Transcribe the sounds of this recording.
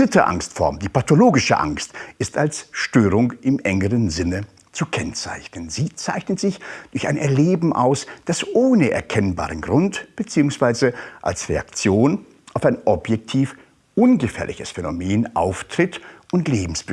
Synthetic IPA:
ʁɪtəʔa̰ŋstfɔ̰ɐmdiːpatoloːɡɪʃə̰ʔa̰ŋstɪstalsʃtøːʁʊŋɪmʔɛŋəʁənzɪnə | t͡sukʰɛnt͡sa̰ɪçnənziːt͡saɪçnətz̥ɪçd̥ʊɐça̰ɪnʔɛɐleːbm̩ʔa̰ʊsd̥asʔoːnəʔɛ̰ɐkʰɛnba̰ːʁənɡʁʊntb̥ət͡siːʊŋsv̥aɪzəʔalsʁea̰kt͡sjoːn | ʔaʊfaɪnʔɔpjɛk̚tʰiːf | ʔʊnɡəfɛ̰ːɐlɪ̰çəsfɛnomeːnʔa̰ʊftʁ̥ɪtʔʊntleːbm̩sb̥

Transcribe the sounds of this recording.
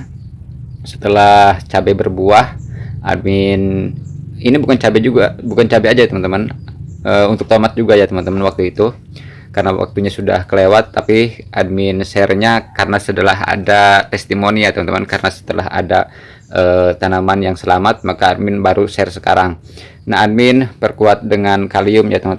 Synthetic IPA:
sə̥t̪əlaht͡ʃabɛbərbuaha̰d̚mɪn | inibukant͡ʃabɛd͡ʒuɡabukant͡ʃabɛad͡ʒat̪əmant̪əmanəunt̪ʊk̚t̪omat̪̚d͡ʒuɡajat̪əmant̪əmanwak̚t̪uit̪u | karənawa̰k̚t̪uɲasuda̰hkəlewat̪ːapiʔad̚mɪnsɛrɲakarnasət̪əlaɦa̰dat̪ɛst̪imoniat̪əmant̪əmankaɾənasə̥t̪əla̰ɦa̰da | ʔəːt̪anamanjaŋsəlamat̪̚makaːdmɪnbaɾusɛrsəka̰ɾaŋ | naɦad̚mɪnpərkuat̪̚dəŋankaliʊmjat̪əma

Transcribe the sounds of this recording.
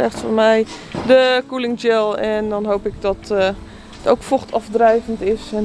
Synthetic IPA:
ɛχtfɔnmɛjdəkulɪŋd͡ʒɛlˠɛndɔnɦowpɪk̚dɔt | əto̰wkfoχtʰɔfdrɛjvəntɪsɛn

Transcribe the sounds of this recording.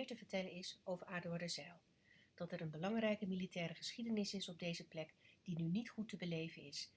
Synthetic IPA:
ɹtəvəɹtɛlənɪsowvəɹaːdʊɹdəzɛlˠ | d̥ɑtɛɾənbəlɑŋrɛjkəmilitɛːɾəχəsχidənɪsɪsɔb̚dejzəplɛkd̥inynitχutəbəlejvənɪs

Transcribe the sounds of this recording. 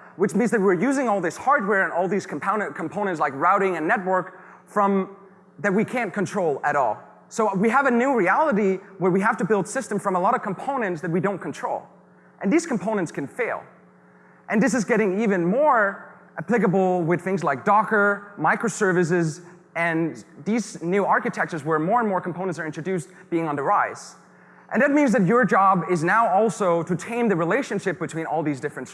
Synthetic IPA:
wɨt͡ʃmĩnzðɨt̚wɪɹjʉzɪ̃ŋɔlˠðɪshɑɹd̚wɛɹɨ̃nɔlˠðiz̥kʰm̩pʰõʊ̃nɨ̃nkʰm̩pʰõʊ̃nɨ̃nts̬laɪkɹaʊɾɪ̃ŋɨ̃nːɛt̚wɜ˞k | fɹʌ̃m | ðɨt̚wikʰæ̃nkʰɨ̃ntʰɹ̥oʊlˠɨɾɔ̰lˠ | soʊwiəvɨnʉɹiælˠəɾiwə˞wiɦæftɨbɪlˠd̥sɪstə̃ɱfɹʌ̃məlɔɾʌv̥kʰm̩pʰõʊ̃nɨ̃ntsðɨt̚widõʊ̃nkʰn̩tʰɹ̥oʊlˠ | ʔɨ̃nðiz̥kʰm̩pʰõʊ̃nɨ̃ntskɨ̃nfeɪlˠ | ʔɨ̃nðɪs̬ɨzɡɛɾɪ̃ŋivɨ̃nmɔɹ | ʔɨpʰlɪk̬əbl̩ˠwɪð̥θɪ̃ŋzlaɪk̚d̥ɔkə˞maɪkɹoʊsɜ˞vɨs̬ɪz | ɨ̃nðiznʉɑɹkɨtʰɛk̚t͡ʃə˞zwə˞mɔɹə̃nmɔɹkm̩pʰõʊ̃nə̃ntsə˞ɪ̃ntɹ̥ɨdʉsb̥iɪ̃ŋə̃nðəɹaɪs | ʔɨ̃nðɨt̚mĩnzðɨt͡ʃə˞d͡ʒɑbɪznaʊɔlˠsoʊɾɨtʰẽɪ̃nðɨɹileɪʃɨ̃nʃɪp̚b̥ɨtʰw̥ĩñɔlˠðizdɪfɹɨ̃n

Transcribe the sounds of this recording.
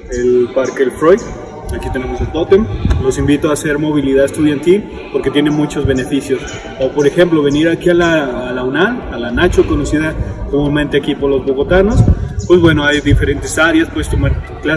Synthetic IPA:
elpaɾkelfɾojð | akit̪e̞ne̞mo̞selbot̪emlo̞simbit̪oase̞ɾmo̞β̞iliðaðest̪uðjant̪il | po̞ɾke̞t̪je̞ne̞nmut͡ʃo̞zβe̞ne̞fisjo̞s | opo̞ɾe̞xe̞mplo̞βe̞niɾakialaːlawnaː | lanat͡ʃoko̞no̞siðakomũnment̪eakipo̞ɾlo̞zβo̞ɣo̞t̪ano̞spwe̞zβwe̞no̞ajðife̞ɾent̪esaɾjaspwe̞ðest̪omaɾkla

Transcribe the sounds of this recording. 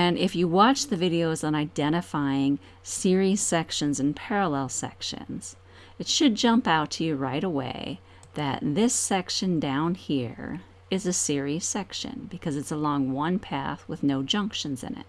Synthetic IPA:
ɨ̃nɪfjɨwɑt͡ʃðɨvɪɾioʊzn̩aɪdɛ̃ɾ̃ɨfaɪɪ̃ŋ | sɪɹiz̥sɛkʃɨ̃nzɨ̃n̩pʰɛɹəlɛlˠsɛ̰kʃɨ̰̃nz̥ | ɨtʃɨd̚d͡ʒʌ̃mpaʊtʰɨjɨɹaɪɾəwḛɪ | ðɨ̰t̪̚ðɪsɛkʃɨ̃ndãʊ̃nhiɹ | ɨzɨsɪɹi̥sɛkʃɨ̰̃nbɨkʰʌzɨtsəlɔ̃ŋwʌ̃npʰæ̰θwəðnoʊd͡ʒʌ̃ŋkʃɨ̃nzɨ̰̃nɪ̰t̚

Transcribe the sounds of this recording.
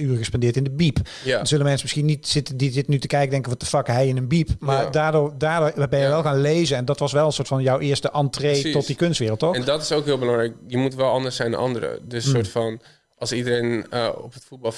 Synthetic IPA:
yːrəɣəspɛndɪːɹtɪndəbip | zɵləmɛnsəmɪsxinitsɪtədizɪtnytəkɛjkədɛŋkəʋɑtəfɑkəɦɛjɪnənbipmaːɹdaːɹdʊːɹdaːɹdʊːɹbɛnjəʋɛlˠɣaːnlejzənɛndɑtʋɑsʋɛlˠənsʊːɹtfɑnjɔwʔɪːɹstəʔɑntreːɔt̚dikønstʋɪːrəlˠtːɔxɛndɑtɪ̥sowkɦɪlˠbəlɑŋrɛjkjəmutʋɛlˠɑndəɹsɛjnd̰nʔɑ̰ndəɾə̰dəsːʊːɹtfɑn | ʔɑlˠsidəɾejnəɔ̰pətfut̚bɑlˠ

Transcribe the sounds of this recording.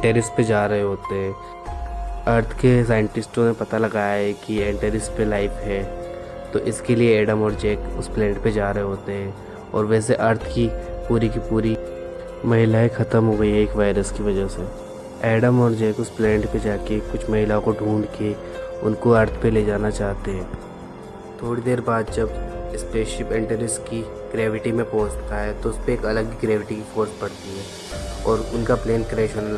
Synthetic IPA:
ʈeːɾɪsʈped͡ʒaːɾɐɦeɦoːt̪eɦɛ̃ː | ɐɾt̪ʰkes̬aːɪ̃ɳʈɪsʈõmẽpɐt̪alɐɡaːjaɦɛkiɛ̃ːɳʈeːɾɪsʈpelaːɪpɦɛː | t̪oʔɪskelieɛːɖəmɔːɾd͡ʒɛːkʊsplɛ̃ːɳʈped͡ʒaːɾɐɦeɦoːt̪eɦɛ̃ː | ɔːɾʋɛːseʔɐɾt̪ʰkipuːɾikipuːɾi | mɐɦɪlaːexʰɐt̪əmɦoːɡəiɦɛeːkʋaːɪɾəskiʋɐd͡ʒəɦse | ɛːɖəmɔːɾd͡ʒekʊsplɛ̃ːɳʈped͡ʒaːkekʊt͡ʃʰmɐɦɪlaõkoɖʱuːɳɖke | ʊ̰nkoɐɾt̪ʰpeleːd͡ʒaːnat͡ʃaːɦt̪eɦɛ̃ː | t̪ʰoːɽid̪eːɾbaːd̪d͡ʒɐbɪspeːʃɪpẽːɳʈəɾɪski | ɡ̥ɾɛːʋɪʈimẽpoːsʈkaːɛt̪oʊspeːkɐləɡiɡɾɛːʋɪʈikifʰoːɾspɐɽt̪iɦɛː | ɔːɾʊnkapleːnkɾieːʃən

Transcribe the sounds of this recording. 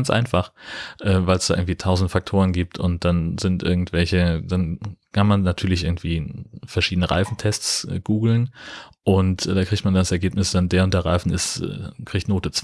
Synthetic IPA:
nsʔa̰ɪnfaχʔɛːvaɪlsd̥aːʔɪɡŋ̩tv̥iːtʰaʊzn̩tfak̚tʰoːʁ̞ənɡiːp̚tʰʊ̰nt̚d̥anzɪntʔɪ̰ɐɡŋ̩tv̥ɛlçəd̥ankʰanmanːatʰyːɐlɪçɪɐɡŋ̩tv̥iːfɛɐʃiːdənəʁa̰ɪfn̩tʰɛst͡sːɡ̥uːɡl̩nʔʊntːd̥aːkʁ̥içtmandanasɛɐɡeːpnɪsd̥andeːɐʊntd̥eːɐʁaɪfn̩ɪ̰sɛ̰ːkʁ̥içtnoːtət͡s

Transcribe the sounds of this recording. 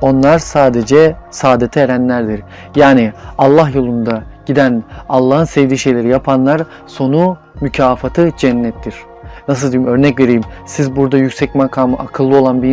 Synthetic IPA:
o̞nlˠaɾsaːd̪ed͡ʒɛsaːd̪et̪ʰɛːɾænlʲæɾd̪iɾ | jaːnialˠːaɦjo̞lˠund̪aɟ̥id̪ænalˠːaːɦɯnsevd̪iːʃe̞jlʲe̞ɾijapʰanlˠaɾ | so̞nu | mycʰaːfat̪ʰɯd͡ʒɛnːɛt̪ʰːiɾ̥ | nas̬ɯlˠd̪ijimø̞ɾnɛcve̞ɾijimsizbuɾd̪ajycsɛcmakʰaːmɯʔakʰɯlˠːɯo̞lˠanbi

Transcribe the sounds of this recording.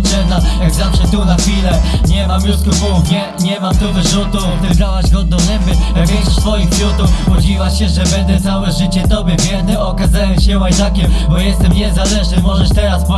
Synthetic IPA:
ɛd̪ajaɡzafʂɛt̪unaxfʲilɛɲɛmamjuskupɔɲɛ | ɲɛmamt̪uvɘʐut̪uɔt̪ɛɡɾawaʑɡɔd̪̚nɔ̃w̃nɛmbɘvʲɛɕsfɔjixpjut̪ufɔd͡ʑivaɕɛʐɛbɛnd̪ɛt̪sawɛʐɘt͡ɕɛt̪ɔbʲjɛvʲjɛnɛɔkazajɛɕɛwajt̪akʲɛmbɔjɛst̪ɛmɲɛzalɛʐnɘmɔʐɛʂt̪ɛɾaspɔ

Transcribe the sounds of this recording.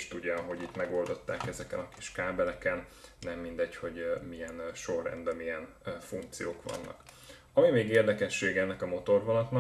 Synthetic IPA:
ʃt̪uɟːɒɦo̞ɟit̪mɛɡo̞ld̪o̞t̪ːaːkɛzɛkɛ̰nɒki̥ʃkaːbɛlɛkɛnːɛmːind̪ɛcho̞ɟmijɛnʃo̞rːɛ̰nbɛmijɛn | fuŋk̚t̪sijoːkʋɒ̰nːɒ̰k | ɒmimeːɡeːrd̪ɛkɛʃːeːɡɛnːɛkɒmo̞t̪o̞rvɒlɒt̪nɒk

